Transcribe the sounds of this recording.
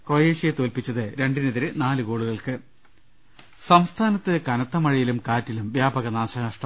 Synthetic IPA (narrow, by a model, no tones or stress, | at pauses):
krojeːʂijɐt̪o̞ːlpit͡ɕːɐðɨɾe̞ɳɖineðiɾɨnaːlɨkoːɭuɣɐɭkɨ | sɐmst̪ʰaːnɐt̪ːɨkɐnɐt̪ːɐmɐɻijilumkaːtːilumʋjaːbɐɣɐnaːɕɐnɐʂʈɐm